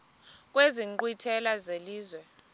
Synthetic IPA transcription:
k̬ʼweziǃwitʰɛlazeliːzwɛ

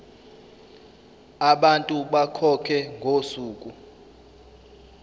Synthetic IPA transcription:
aɓantʼuɓakʰɔkʰɛŋɡʱosuːk̬ʼu

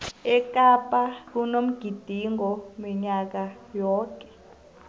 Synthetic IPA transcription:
ɛk̬ʼapʼak̬unom̩ɡ̥ʱid̥ʱiŋɔmiɲak̬ajɔːkʼɛ̥

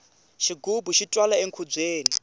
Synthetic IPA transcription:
ʃiɡubuʃitʼwalaeŋkʰud͡zeːni

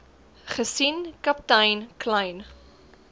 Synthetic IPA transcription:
χəsinkɐp̚tɐjnklɐjn

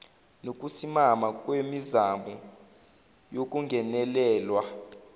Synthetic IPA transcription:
nok̬ʼusimamak̬ʼwemizambʱɔ | jok̬ʼuŋɡʱɛnɛlɛːlwa

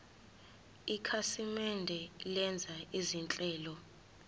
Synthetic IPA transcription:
ikʰasimɛndʱɛlɛnd͡zʱaizint͡ɬʼɛːlɔ

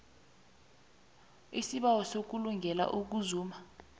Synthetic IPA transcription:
isiɓawɔsok̬uluŋɡʱɛla̰ʔuk̬uzuːma

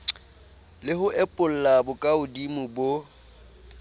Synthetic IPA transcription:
lɪhʊʔɛpʼʊl̩labʊkʼaʊdimʊbo

